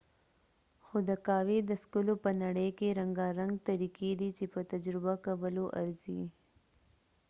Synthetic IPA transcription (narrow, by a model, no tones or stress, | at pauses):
xod̪əkɑwed̪əskʊlopənaɽəjkeɾaŋɡɑɾaŋɡ̚t̪aɾikid̪it͡ʃepət̪ad͡ʒɾɪbakawəloʔa̰ɾzḭ